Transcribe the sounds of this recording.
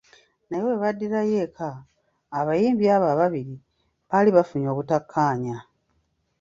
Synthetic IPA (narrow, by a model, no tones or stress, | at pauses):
najoeβadːiɾaje̞kʰaː | βajiːmbiaβaβaβiɾi | βaliβafuɲo̞ːkutakʰːaːɲa